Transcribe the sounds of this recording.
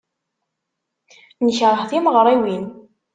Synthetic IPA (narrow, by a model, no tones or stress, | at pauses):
nəçɾˤəhθiməʁɾˤiwin